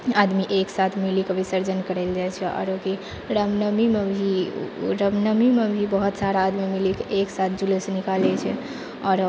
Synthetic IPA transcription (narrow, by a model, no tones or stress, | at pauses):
ad̪miʔeksat̪ʰmilikebʱisəɾd͡ʒənkəɾɛld͡ʒajt͡ʃʰɛɔ̰ɾoki | ɾəmnəmimebʱiɾəmnəmimebʱibəɦut̪saɾaːd̪mimilikeeksat̪̚ʰd͡ʒulesənikalɛt͡ʃʰɛ | ɔːɾ